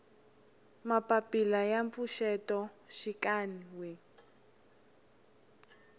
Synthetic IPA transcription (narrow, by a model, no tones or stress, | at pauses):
mapapilajaɱfuʃɛtɔʃikaniwɛ